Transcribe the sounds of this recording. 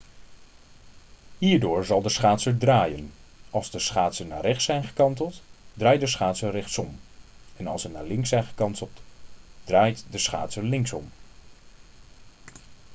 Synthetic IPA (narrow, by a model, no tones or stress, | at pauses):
hiːɹdʊːɹzɑlˠdəsχaːtsəɹdraːjənɑlˠzdəsχaːtsəna̰ːrɛχtsɛjnχəkɑntəlˠtdraːjdəsχaːtsərɛχtsɔmɛnɑlˠsənaːɹlɪŋsɛjnχəkɑntəlˠtd̥raːjtdəsχa̰ːtsəlɪŋsɔm